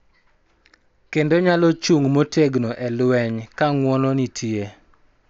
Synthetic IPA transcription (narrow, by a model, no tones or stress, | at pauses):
kendoɲalɔt͡ʃuŋmoteɡnoʔɛlwɛɲkaŋwɔnɔnitʰie